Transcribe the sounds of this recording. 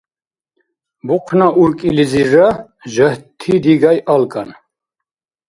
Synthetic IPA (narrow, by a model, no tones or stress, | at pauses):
buqʰnaʔuɾkʼilizira | ʒəht̪ʰid̪iɡajʔalkʼan